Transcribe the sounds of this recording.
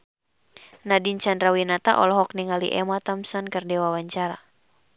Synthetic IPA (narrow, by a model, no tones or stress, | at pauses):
nadint͡ʃandɾawinat̪aʔɔ̰lɔɦɔk̚niŋalḭʔɛmat̪amsankɨrdɛwawaɲt͡ʃaɾa